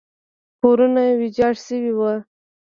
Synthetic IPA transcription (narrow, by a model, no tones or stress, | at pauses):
poɾunawid͡ʒɑʂsəwiwa